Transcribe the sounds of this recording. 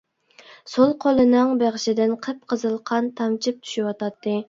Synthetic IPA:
solˠqʰolˠɨnɨŋbeʁʃɪd̪ɪnqʰəp̚qʰəzɨlˠqʰɑnt̪ʰɑmt͡ʃʰip̚t̪ʰy̥ʃiwɑt̪ɑt̪ːɨ

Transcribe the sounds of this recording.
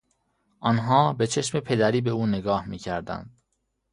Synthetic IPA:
ʔɒːnɦɒːbe̞t͡ʃʰe̞ʃme̞pʰe̞d̪æɾiːbe̞uːneɡɒːhmiːcʰæɾd̪æ̰nd̪̥̚

